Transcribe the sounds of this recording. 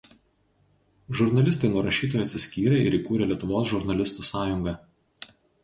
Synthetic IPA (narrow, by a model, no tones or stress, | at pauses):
ʒʊɾnɐlʲɪst̪ɐɪnuɔɾɐʃʲiːt̪̬oːjɐt̪ʲsʲɪsʲkʲiːɾʲɛɪ̰ɾiːˑkuːɾʲɛlʲiɛt̪ʊʋoːsʒʊɾnɐlʲɪst̪uːsɑːjʊŋɡɐ